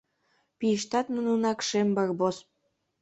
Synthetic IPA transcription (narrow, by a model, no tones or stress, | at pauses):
piʃt̪ɑt̪mənunɑkʃembɑrbos